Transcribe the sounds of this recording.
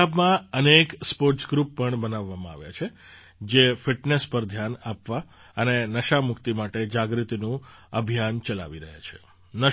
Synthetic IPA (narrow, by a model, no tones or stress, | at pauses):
abmãənekspoɾʈsɡɾupːəɳbənaʋːamãa̰ʋja̰t͡ʃʰe | d͡ʒefɪʈnespəɾd̪ʱjanapʋa | ənenəʃamʊkt̪imaʈed͡ʒaɡɾit̪inũəbʱijant͡ʃəla̰ʋiɾəɦja̰t͡ʃʰe̥̰ | nə